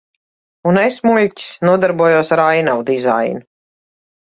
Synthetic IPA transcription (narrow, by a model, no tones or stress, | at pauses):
unesmuʎʲcʲi̥snuɔd̪aɾbuɔjuɔsaɾajnawd̪iza̰jnu